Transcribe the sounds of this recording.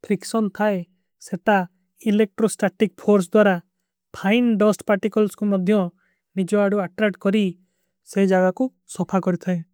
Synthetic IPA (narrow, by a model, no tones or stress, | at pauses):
pʰɾiksɔnt̪ʰae | set̪a | ilek̚ʈɾosʈaʈik̚pʰoɾs̬d̪waɾa | pʰajnɖɔsʈpaɾʈikɔlskumɔd̪ʱjɔ | nid͡ʒɔaɽuaʈɾak̚ʈkɔɾi | sed͡ʒaɡaku | sɔpʰakɔɾit̪ʰae